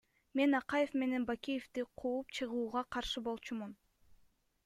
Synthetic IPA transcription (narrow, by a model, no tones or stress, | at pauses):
me̞nɑqɑje̞fme̞ne̞nbakʲijeft̪iqʰuːupt͡ʃʰɯʁuːʁɑqʰɑɾʃɯbo̞lˠt͡ʃumun